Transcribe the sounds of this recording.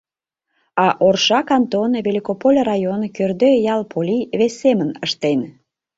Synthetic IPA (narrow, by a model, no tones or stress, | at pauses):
ɑʔorʃɑkɑnt̪onβʲelʲikopolʲrɑjonkørd̪øjɑlpʰolʲiβesːemənəʃt̪en